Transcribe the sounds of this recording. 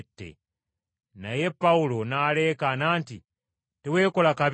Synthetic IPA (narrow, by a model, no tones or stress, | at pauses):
tːḛ | naje̞pːaulo̞naːleːkanaːnti | tewe̞ːko̞lakaβ